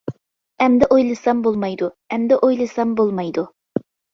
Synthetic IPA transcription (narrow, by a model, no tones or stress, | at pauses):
ɛmd̪ɪʔojlˠɨsɑmbolˠmɑjd̪u | ɛmd̪ɪʔojlˠɨsɑmbolˠmɑjd̪u